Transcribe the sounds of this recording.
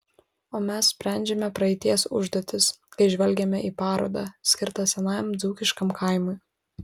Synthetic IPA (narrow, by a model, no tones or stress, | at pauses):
oːmʲɛssʲpʲɾʲæˑnʲd͡ʒʲɛmʲɛpɾɐɛɪt̪ʲiɛsʊʒd̪oːt̪ʲɪskɐɪʒʲʋʲɛlʲɡʲɛmʲɛʔiːpɑːɾo̰ːd̪ɑːsʲkʲɪɾt̪ɑsʲɛnɑmd̪zuːkʲɪʃkɐmkʰɐˑɪmʊɪ